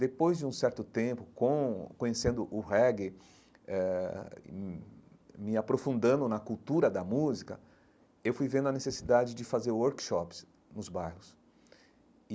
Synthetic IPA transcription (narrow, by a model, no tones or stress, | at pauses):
d̪epojzd͡ʒɪũsɛɾt̪ʊt̪ẽpʊkõkõɲesẽnd̪ʊʔʊhɛɡɪ | ɛ | mɪapɾofũnd̪ɐ̃nd̪ʊnɐkuwt̪uɾɐd̪ɐmuzikɐ | ewfujvẽnd̪ʊɐnesesid̪ad͡ʒɪd͡ʒɪfazeɾwoɾkʃɔps | nʊzbajhʊs